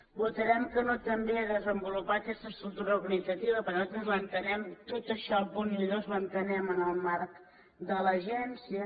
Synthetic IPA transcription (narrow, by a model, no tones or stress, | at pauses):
but̪əɾɛmkənot̪əmbeəðəzəmbulupat̪əkɛst̪əst̪ɾukt̪uɾəuɾɣənidd͡zət̪iβəpəɾnat̪ɾəzlənt̪ənɛmt̪ot̪əʃɔəlpuniʎozmənt̪ənɛmənəlˠmark | d̪ələʒɛnsiə